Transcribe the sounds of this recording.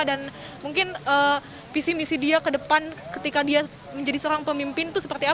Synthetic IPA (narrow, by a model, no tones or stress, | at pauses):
dan | muŋkɪnə | fisimisidiakədəpankət̪ikadia | məɲd͡ʒadisəoɾaŋpəmimpɪnt̪ʊsəpərt̪ia